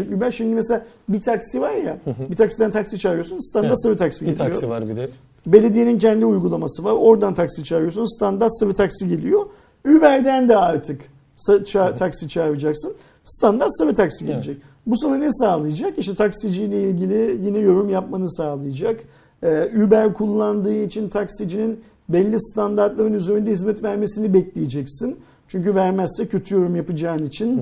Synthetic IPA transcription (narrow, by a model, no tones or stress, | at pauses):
t͡ʃimybæɾʃimd̪imɛselʲabit̪ʰaksivaɾjabit̪ʰaksid̪ænt̪ʰaksit͡ʃʰavijo̞sunst̪ʰand̪asɯvɯt̪ʰaksiɟeijo | be̞lʲe̞d̪ijenincʰɛnd̪iujɡulˠamasɯvaɾo̞ɾd̪ant̪ʰaksit͡ʃʰaɾijosunst̪ʰand̪aɾt̪sɯvɯt̪ʰaksiɟe̞lʲijo̞ | ybæɾd̪ænd̪ɛaɾt̪ʰɯk | sat͡ʃʰat̪ʰaksit͡ʃʰaɾvɯd͡ʒaksɯn | st̪ʰand̪aɾt̪savɛt̪ʰaksiɟelʲed͡ʒɛc̚ | busananɛsaːlˠɯjad͡ʒakiʃt̪ʰɛt̪ʰaksid͡ʒijlʲɛilʲɟilʲijinɛjo̞ɾumjapmanɯsaːlˠɯjad͡ʒak | ɛybæɾkʰulˠːand̪ɯːit͡ʃʰint̪ʰaksid͡ʒinin | bɛlʲːist̪ʰand̪aɾt̪lˠaɾɯnyzeɾynd̪ɛhizmɛt̪væɾme̞sinibɛclʲejed͡ʒɛcsin | t͡ʃʰyɲʲcyvæɾmæssɛcʰø̞t̪ʰyjo̞ɾumjapɯd͡ʒaːɯnit͡ʃʰin